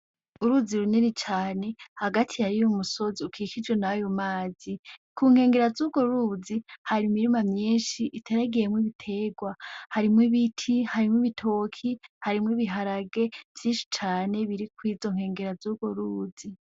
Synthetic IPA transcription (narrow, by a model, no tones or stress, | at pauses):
uɾuːziɾuninit͡ʃaːne̞haɡatʰijaɾijumuso̞ziukʰiːkid͡ʒɡwe̞najomaːzikʰuːŋ̥he̞ːŋɡe̞ɾazuːɡo̞ɾuzihaɾimiɾimamɲiːnʃiʔitʰe̞ɾaɡijemwiβitʰe̞ɡwahaɾimwiβitʰihaɾimŋwiβitʰo̞kʰihaɾimwiβiɦaɾaɡe̞v̥jiːnʃi̥t͡ʃaːne̞βiɾikwiːzo̞ŋ̥he̞ːŋɡe̞ɾazuːɡ̥oɾuːzi